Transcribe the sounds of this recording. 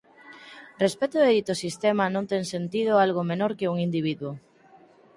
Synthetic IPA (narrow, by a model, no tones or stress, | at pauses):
respet̪oeðit̪osist̪emanõnt̪eŋsent̪ið̞ʊalɣomenoɾkeuŋind̪iβ̞iðwo